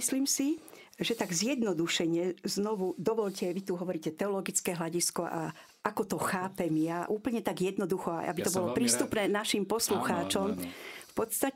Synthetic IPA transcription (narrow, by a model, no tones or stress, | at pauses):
isliːmsi | ʒɛt̪aɡzjɛd̪nɔd̪uʃɛɲɛznɔʋud̪ɔʋɔʎcɛʋit̪uɦɔʋɔɾiːcɛt̪ɛɔlɔɡit͡skɛːɦlaɟiskɔʔa | ʔakɔt̪ɔxaːpɛmjaʔuːpl̩ɲɛt̪aɡjɛd̪nɔd̪uxɔa̰ʔa̰bit̪ɔbɔlɔpɾiːst̪upnɛːnaʃimpɔsluxaːt͡ʃɔmfpɔt̪st̪a